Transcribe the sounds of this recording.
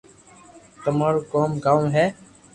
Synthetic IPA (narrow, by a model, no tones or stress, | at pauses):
t̪əmaːɾːkoːmɡaːũːɦɛː